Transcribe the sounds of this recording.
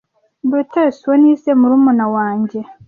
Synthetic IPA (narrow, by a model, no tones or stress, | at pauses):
buteswenisemuɾumunawaːɲɟe̞